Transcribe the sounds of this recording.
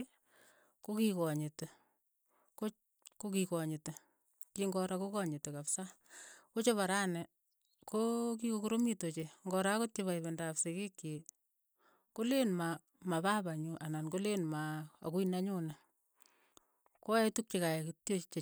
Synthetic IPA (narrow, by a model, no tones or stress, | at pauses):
kokikɔɲete | ko | kokikɔɲete | kiŋɡɔɾakokɔɲetekapsakot͡ʃoβaɾanɛ | kok̬ikokoɾomitot͡ʃeŋɡɔɾakotjoβaiβendapsekekje | kolenma | mapabaɲuʔanankolenmaa̰kuinaɲunɛ | koetuk̚t͡ʃekaekitjot͡ʃe